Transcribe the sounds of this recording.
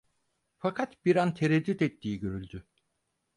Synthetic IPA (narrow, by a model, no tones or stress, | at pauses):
fakʰat̪biɾant̪ʰeɾɛd̪ːyt̪ɛt̪ʰːiːɟø̞ɾylʲd̪y